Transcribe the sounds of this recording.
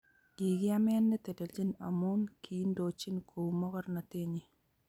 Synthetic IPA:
i˨ɡɪ˦a˦m˦ɛ˦nːɛ˦te˨te˨d͡ʒi˦na̰˨mu˦nkʰi˨˦ndo˨t͡ʃi˦nkʰo˨wu˨mɔ˦kɔ˦ɾna˨te˦ɲi˨

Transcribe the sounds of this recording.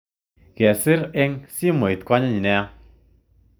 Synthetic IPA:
ɣɛ˨sɪ˦ɾe˦ŋsi˦mo˨i˨t̪̚kwa˦ɲa˦ɲi˨nɛ˦

